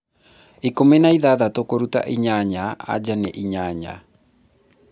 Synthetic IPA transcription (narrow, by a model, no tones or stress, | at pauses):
ikomenaiðaðatokoɾuta̰ʔiɲaɲaa̰d͡ʒaneʔiɲaɲa̰